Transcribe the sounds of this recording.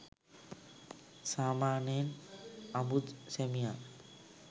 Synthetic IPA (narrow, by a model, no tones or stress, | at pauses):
samanenabud̪semija